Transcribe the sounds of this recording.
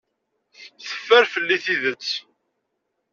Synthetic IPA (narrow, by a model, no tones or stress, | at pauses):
θə̥fːæɾfəlːiθiðət͡sː